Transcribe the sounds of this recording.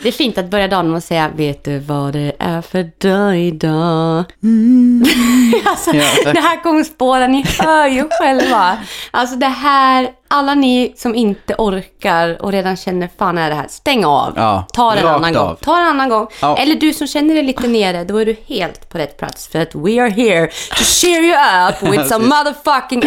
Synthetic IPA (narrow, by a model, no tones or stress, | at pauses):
d̪ɛːfiːnt̪at̪̚bœɾjad̪ɑːnɔmɔsɛjːaveːt̪̚d̪ɵvad̪ɛʔæɾfœɖɛjd̪ɑ | alsɔd̪ɛɦæːɾkɔmːəspoːɾanɪhœɾjɧɛlvaʔals̬ɔd̪ɛɦæːɾʔalːanɪsɔmɪnt̪əʔɔɾkaɾɔ̰ɾeːd̪anɕɛnːəɾfaːnɛɖɛɦæ̰ːɾst̪ɛŋːaa̰vt̪ʰɑːɾɛnanːanɔ̰ŋt̪ʰɑːɾɛnanːanɡɔŋːʔɛlːəɖɵsɔmɕɛnːəɖɛjliːt̪əneːɖəd̪ɔæɖɵheːlt̪pʰɔɾɛt̪ːpʰla̰t̪sfœɾat̪wiɑɹɦiɹtʰʊʃɛɹjəʌpwɪð̥samːʌðəfʌkɪ̃ŋ